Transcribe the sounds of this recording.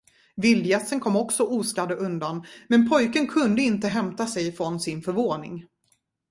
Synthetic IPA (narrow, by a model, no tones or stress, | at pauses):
vɪld̪jɛt̪sənkʰɔmːɔksɔʔuːskad̪əʔɵnd̪anmɛnpʰɔjkənkʰɵnd̪əɪnt̪əɦɛmt̪asɛjfɾɔnsɪnfœɾvoːnɪ̰ŋ